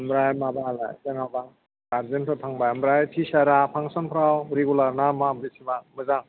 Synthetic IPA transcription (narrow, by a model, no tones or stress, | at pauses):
mɾajmabala̰jzaŋaba | ɡaɾzentʰɔtʰaŋbamɾajtʰisaɾapʰaŋsɔnpʰɾawɾiɡulaɾnamabɾisʰibamɯzaŋ